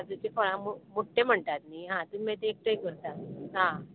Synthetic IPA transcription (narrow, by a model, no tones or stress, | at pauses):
ad͡zut͡ɕefɔɭ̃ãmomoʈʰːem̤əɳt̪at̪̚niɦãt̪umẽt̪eːk̚ʈəjkəɾt̪at̪̚ɦã